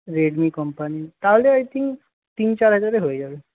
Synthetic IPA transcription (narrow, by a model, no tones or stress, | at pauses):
ɾeɽmiːkəmpanit̪aʋleajt̪ʰĩŋk | t̪iːnt͡ɕaɾɦajt̪aɾeɦojd͡ʑale